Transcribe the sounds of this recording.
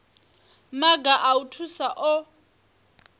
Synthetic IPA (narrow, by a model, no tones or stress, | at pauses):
maɡaʔautʰusaʔɔ